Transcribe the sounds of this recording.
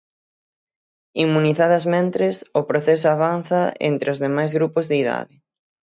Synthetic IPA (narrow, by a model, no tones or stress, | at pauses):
imːuniθaðɐzmẽnt̪ɾesʊpɾoθesʊaβan̟θɐḛnt̪ɾeozðemajzɣɾupʊzðeiða̰ðɪ